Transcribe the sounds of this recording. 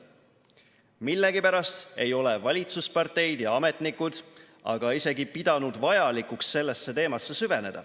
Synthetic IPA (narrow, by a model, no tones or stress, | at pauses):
milːeɡipæɾɑst̪e̞jo̞le̞vɑlʲit̪suspɑrt̪e̞jd̪̥jɑɑme̞t̪nikːˑud̪̥ | ɑ̰ɡ̥ɑise̞ɡipid̪̥ɑnud̪vɑjɑlikuksːe̞lːe̞sːe̞t̪e̞ːmɑsːe̞syve̞ne̞d̪̥ɑ̰